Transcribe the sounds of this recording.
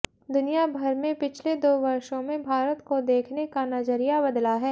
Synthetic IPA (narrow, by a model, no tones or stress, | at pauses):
d̪ʊnijabʱɐɾmẽpɪt͡ʃʰled̪oːʋɐɾʃõmẽbʱaːɾət̪kod̪eːkʰnekanɐd͡ʒəɾijabɐd̪laɦɛː